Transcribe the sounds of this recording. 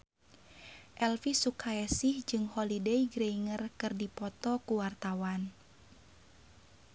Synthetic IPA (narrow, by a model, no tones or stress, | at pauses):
ʔɛlfisukʰaɛsihd͡ʒɨŋhɔlideiɡɾeiŋərkɨrdipɔt̪ɔkuwart̪awan